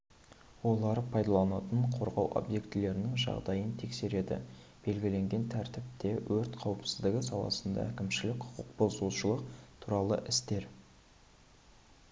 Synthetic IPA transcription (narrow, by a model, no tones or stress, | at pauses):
wo̞lˠɑɾəpʰɑjd̪ɑlˠɑnɑt̪əɴqʰo̞ɾʁɑwʔo̰bje̞kt̪ɪle̞ɾɪnɪŋʒɑ̰ʁd̪ɑjənt̪ʰe̞kse̞ɾe̞d̪ɪ̰ | b̥e̞lɡʲɪle̞ŋɡʲe̞nt̪ʰæɾt̪ɪp̚t̪e̞wɵɾt̪qʰɑwəpsɪ̥zd̪ɪɡʲɪsɑlˠɑ̰sənd̪ɑ̰ækʲɪmʃɪlɪkqʰʊ̥qʰʊq̚bolˠzsuʃəlˠəq̚t̪ʰuɾɑlˠəʔɪst̪e̞ɾ